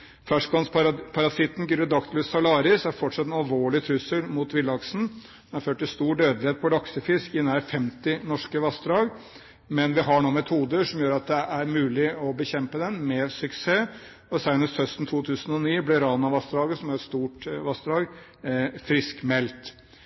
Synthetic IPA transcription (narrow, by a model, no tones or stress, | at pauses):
fæʂkɑnspʰɑɾɑsɪt̪n̩ɡyɾəd̪ɑkt̪ʰlʉːst̪ʰɑlɑːɾɪsæɾfɔʈʂɑt̪ːɛnɑlʋoːɭɪt̪ʰɾʉsːəlmuːt̪ʋɪlɑksn̩ | ɛnɑɾføːʈ̚ʈːɪlst̪uːɖøːd̪lɪheːt̪̚pʰɔlɑksəfɪskɪnæːɾfɛmt̪ɪnɔʂkəʋɑst̪ɾɑːɡ | mɛnʋɪɦɑɳuːmɛt̪ʰuːd̪əʂɔmjøːɾɑt̪̚d̪ɛʔæɾmʉːlɪɔbəçɛmpəd̪ɛnmɛsʉkseː | ɔsæɪnəst̪hœst̪n̩t̪ʰuːt̪ʰʉːsən̩ɔniːblɛɾɑːnɑʋɑst̪ɾɑːɡəsɔmæɾɛt̪st̪uːʈʋɑst̪ɾɑːɡ | fɾɪskmɛlt̪